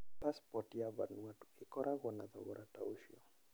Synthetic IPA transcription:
paspɔtijaβa̰nuatu̥ɪkɔɾʔaɣɔnaðɔ̰ɣɔɾʔatauʃiɔ

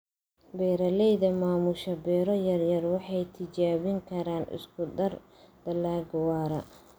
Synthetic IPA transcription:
bɛːɾɐlɛjðɐmaːmʊʃɐbɛːɾɔjɐrjɐrwɑħɑjt̪ʰɪt͡ʃaːβɪŋkʰɐɾaːnɪ̰skʰʊd̪ɐr | d̪̥ɐlaːɡwaːɾɐ̰

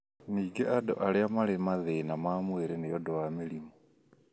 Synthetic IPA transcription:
niːɡeʔado̰ʔaleamalemaðenamaːmweːɾenejodowamilimo

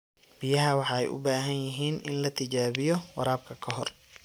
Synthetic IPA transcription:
bɪjɐɦɐwɑħɑːɛ̰jʔʊ̰baːɦɐnjɪɦiːnɪnlɐt̪ʰɪt͡ʃaːβɪjɔwɑɾaːb̚kʰɐkʰɐɦɔr

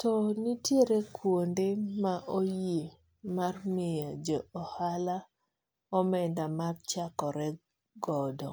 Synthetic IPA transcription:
tɔnitjeɾekʰwondemaʔoje | marmejad͡ʒɔːhala | ɔmɛndamart͡ʃakɔɾɛ | ɡɔdɔ

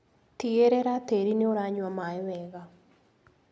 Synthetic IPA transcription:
tieɾɛɾateɾineoɾaɲwamaewɛɣa

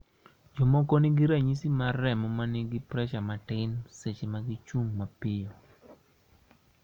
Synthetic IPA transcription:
d͡ʒɔmɔkoniɡiɾaɲisimaɾɛmɔmanɪɡɪpɾɛʃamatɪnset͡ʃemaɡit͡ʃuŋmapɪjo

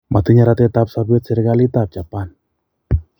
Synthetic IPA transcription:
mʔat̪iɲaɾat̪ɛt̪apsabɛt̪sɛɾɡalit̪ap̚t͡ʃapan

